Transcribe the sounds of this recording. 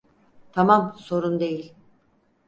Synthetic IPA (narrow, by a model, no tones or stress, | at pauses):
t̪ʰamamso̞ɾund̪e̞jilʲ